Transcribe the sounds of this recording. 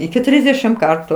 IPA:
ɪkʲɪ ˈtʲrʲiːzʲdʲɛʃʲɪm ˈkɐrtʊ

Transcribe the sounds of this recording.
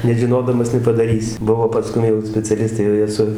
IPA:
nʲɛʒʲɪˈnoːdɐmɐs nʲɛpɐdɐˈrʲiːsʲɪ ˈbʊʋoː pɐˈskʊm jɛʊ sʲpʲɛt͡sʲɛˈlʲɪstɐɪ jɛʊ ˈjiɛ sʊ

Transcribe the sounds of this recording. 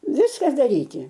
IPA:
ˈʋʲɪskɐ dɐˈrʲiːtʲɪ

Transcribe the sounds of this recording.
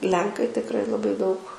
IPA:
ˈlʲɛŋkɐɪ tʲɪkˈrɐɪ lˠɐˈbɐɪ dɐʊk

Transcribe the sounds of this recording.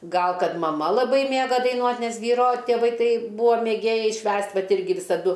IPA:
ˈɡɐlˠ ˈkɐt mɐˈmɐ lˠɐˈbɐɪ ˈmʲeːɡɐ dɐɪˈnuɔtʲ ˈnʲɛs ˈʋʲiːroː tʲeːˈʋɐɪ ˈtɐɪ ˈbuːɐ mʲeːˈɡʲeːjɛɪ ˈʃʲʋʲæːsʲtʲ ˈʋɐt ˈɪrʲɡʲɪ ʋʲɪsɐˈdʊ

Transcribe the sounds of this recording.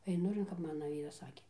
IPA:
ɛɪˈnʊ ɪr kɐp ˈmɑːnɐ ˈʋʲiːrɐs ˈsɑːkʲeː

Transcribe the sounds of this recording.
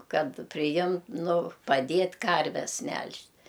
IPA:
ˈkɐt pʲrʲɪˈjɪm ˈnʊ pɐˈdʲeːtʲ ˈkɐrʲʋʲɛs ˈmʲɛlʲʃʲtʲ

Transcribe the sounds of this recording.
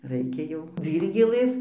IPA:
ˈrɐɪkʲɛ jɛʊ ˈd͡zʲiːrʲɡʲeːlˠɘs

